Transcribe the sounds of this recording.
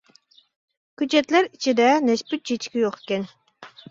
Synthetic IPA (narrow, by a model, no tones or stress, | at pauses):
kyt͡ʃet̪læɾit͡ʃʰid̪ɛnespit̪̚t͡ʃʰet͡ʃkʲijoqe̥kʲen